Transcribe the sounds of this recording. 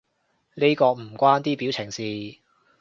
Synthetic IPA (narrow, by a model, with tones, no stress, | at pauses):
ne˥jkɔː˧m̩˨˩kʷwaː˥nt̪iː˥pi˨˥wt͡sʰɪ˨˩ŋsiː˨˧